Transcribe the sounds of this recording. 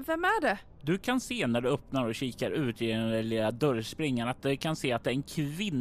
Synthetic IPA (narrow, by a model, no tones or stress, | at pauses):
vɛmæɖɛ | d̪ɵkʰanseːnæɖ̪ɵœpnaɾɔɕiːkaɾʉ̟ːt̪ɪɛnɛlilad̪œɾspɾɪŋːaɳat̪̚d̪ɛkʰanseːat̪d̪ɛːɾɛnkʰvɪnː